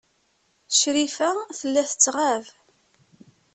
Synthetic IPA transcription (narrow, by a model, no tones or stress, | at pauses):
ʃɾifæθəlːæθət͡sːʁav